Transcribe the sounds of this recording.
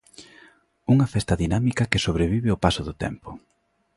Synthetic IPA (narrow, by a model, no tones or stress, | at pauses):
uŋɐfɛst̪ɐðinamikɐkesoβɾeβ̞iβɪʊpasʊðʊt̪ɛ̰mpʊ